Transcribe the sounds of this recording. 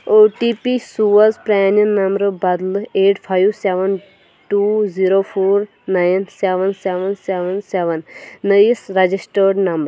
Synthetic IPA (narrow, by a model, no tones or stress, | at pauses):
oːʈipisuʋɐzpɾanənːɐmbɾbɐd̪leːʈpʰajʋseʋən | ʈuːziɾoːpʰoːɾ | najnseʋənseʋənseʋənseʋənːəjisɾɐd͡ʒisʈəɾɖnɐmbəɾɾ